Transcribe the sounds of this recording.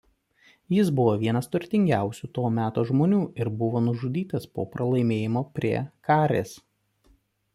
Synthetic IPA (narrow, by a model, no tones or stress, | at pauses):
jɪs̬bʊʋoːʋʲiɛnɐst̪ʊɾʲt̪ʲɪŋʲɡʲæˑʊsʲut̪oːmʲæːt̪oːʒmoːnʲuːʔɪɾbʊʋoːnʊʒʊd̪ʲiːt̪ɐspo̰ːpɾʔɐlˠɐɪmʲeːjɪmoːpʲɾʲiɛkɑːɾʲḛːs